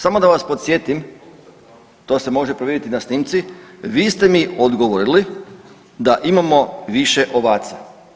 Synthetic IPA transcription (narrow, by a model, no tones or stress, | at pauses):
samo̞d̪aʋaspo̞t̪sje̞t̪im | t̪o̞ːse̞mo̞ʒepɾoʋʲjed̪ʲjʲit̪inasniːmt̪siʋiːst̪e̞miod̪ɡoʋoɾili | d̪aʔimamo̞ʋiʃeʔo̞ʋaːt̪sa